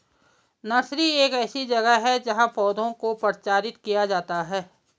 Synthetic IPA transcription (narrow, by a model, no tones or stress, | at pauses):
nɐʃɾieːkɛːsid͡ʒɐɡəɦɛd͡ʒɐɦãpɔːd̪ʱõkopɾt͡ʃaːɾɪt̪kijad͡ʒaːt̪aɦɛː